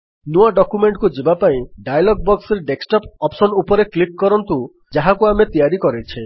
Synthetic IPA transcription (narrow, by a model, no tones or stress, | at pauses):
nuaɖɔkumeɳʈkud͡ʒebapaĩɖajalɔɡ̚bɔkseɾeɖeksʈɔpɔpsɔnupɔɾeklik̚kɔɾɔnt̪u | d͡ʒaɦakuamet̪ijaɾikɔɾet͡ʃʰe